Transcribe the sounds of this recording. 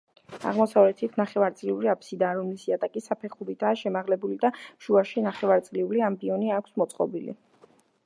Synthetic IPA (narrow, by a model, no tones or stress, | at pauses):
a̰ʁmɔsavlɛt̪ʰit̪ʰnaχɛvaɾt̪sʼliuɾiapʰsid̪aːɾɔmlisiat̪ʼakʼisapʰɛχuɾid̪aːʃɛmaʁlɛbulid̪aʃuaʃinaχɛvaɾt̪sʼliuliambiɔniakʰsmɔt̪sʼqʼɔ̰bilḭ